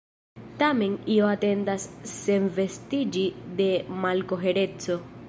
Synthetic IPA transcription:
tame̞nioate̞ndasːe̞nve̞stid͡ʒide̞malko̞ɦe̞ɾe̞t͡so̞

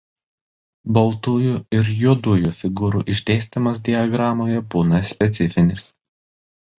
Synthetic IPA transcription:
bɐlˠt̪ujuɪɾjuɔd̪ujufʲɪɡuːɾṵːʔɪʒʲd̪ʲɛːsʲt̪ʲɪmɐsd̪ʲɪɐɡɾɑːmoːjɛbuːnɐsʲpʲɛt̪sʲɪfʲɪnʲɪs

